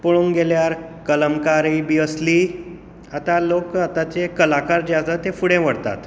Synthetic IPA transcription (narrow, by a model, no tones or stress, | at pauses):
poɭuŋɡeljaɾkələmkaɾibiəsliː | at̪alokat̪at͡ɕekəlakaɾd͡ʑad̪at̪efuɽẽʋəɽt̪a̰t̪